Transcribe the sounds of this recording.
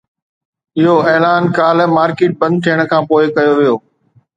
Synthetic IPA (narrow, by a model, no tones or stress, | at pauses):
ɪɦoɛːlaːnkaːlmaːɾkeːʈ̚bɐ̃nd̪̚t̪ʰijəɽ̃̆kʰãːpoːɪkɐjoʋijoː